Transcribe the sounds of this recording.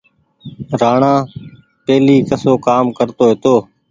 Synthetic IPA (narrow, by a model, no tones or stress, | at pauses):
ɾaːɳãː | peːliːkəsoːkaːmkəɾt̪oːɦeːt̪oː